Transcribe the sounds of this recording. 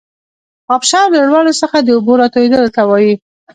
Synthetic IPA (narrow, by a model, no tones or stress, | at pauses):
ɑpʃɑɾləɽwɑlosəxad̪əʊboɾɑt̪oed̪ələt̪awɑji